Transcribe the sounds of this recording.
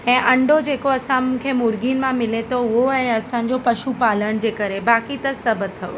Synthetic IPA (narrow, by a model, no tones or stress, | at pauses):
ɛ̃ːʔɐ̃ɳɖʱod͡ʑeːkoɐsãmũːkʰemʊɾɡinɪ̆mãmɪlet̪ʰoʊɦoɛ̃ːɐsãːɲ̆d͡ʑopɐʃupaːləɽ̃d͡ʑeːkɐɾebaːkit̪ɐsɐbt̪ʰːɐjo